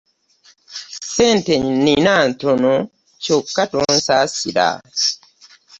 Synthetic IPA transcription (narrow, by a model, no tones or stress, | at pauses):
senteɲinːinaːntono | cokːatonsaːsiɾa̰